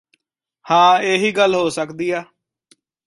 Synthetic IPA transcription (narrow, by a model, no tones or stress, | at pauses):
hãːeːɦiːɡəlɦoːsəkd̪iːaː